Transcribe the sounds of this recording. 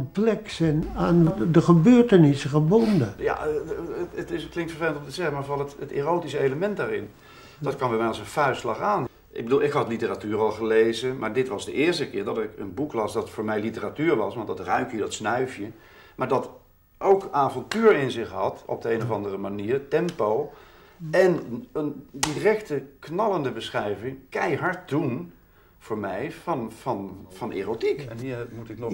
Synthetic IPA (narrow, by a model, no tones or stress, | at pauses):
mplɛksənaːndəχəbøːɹtənɪsəχəbɔndəja̰ | ətɪsklɪŋtfəɹvejləntomtəzɛχəmaːɹvɑlˠətətḛːrowtisəejləmɛnt̚daːrɪ̰n | d̥ɑt̚kɑnbɛjmɛjɑlˠsənfœɥslɑχaːn | ʔɪ̰ɡ̚bəduːlˠɪkɦɑtlitəratyːɹɑlˠχəlejzəmaːɹdɪtʋɑzdəʔɪːɹstəkɪːɹdɑtɪkənbuklɑsdɑtfʊːɹmɛjlitəratyːɹʋɑsʋɑntdɑtrœɥkjədɑtsnœɥfjə | maːɹdɑt | ʔowkaːvɔntyːɹɪnzɪχɦɑtɔ̰b̚dəejnɔvɑndərəmaniːɹtɛmpow | ɛnəndirɛktəknɑləndəbəsχɛjvɪŋkɛjɦɑɹt̚dun | v̥ʊːɹmɛjvɑnvɑnv̥ɑnʔḛːrotikːmutɪkn